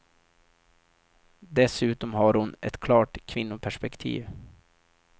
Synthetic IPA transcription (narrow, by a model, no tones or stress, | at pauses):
d̪ɛsʉ̟ːt̪ɔmɦaɾhʊnɛ̰t̪kʰlɑːʈkʰvɪnːʊpʰæʂpɛkt̪ʰḭːv